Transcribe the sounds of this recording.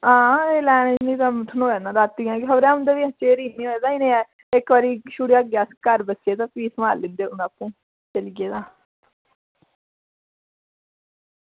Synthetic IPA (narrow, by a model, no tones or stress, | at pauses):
ɦãːeːlɛːned͡ʒnĩːt̪ãːʈ̪ʰənoːaːnãːɾaːt̪ːiːãːkɪɦəbɾɛ̃ːʊ̃nd̪aːʋiːət͡ʃeːɾiːnːiːoɛd̪aːiːnẽːɛː | ɪkʋaːɾiːʃuːɽiaːɡɛːskəɾbəsieːt̪ãːpiːsmaːlːɪ̃nd̪eːʊnaːpũː | t͡ʃəliɡeːd̪ãː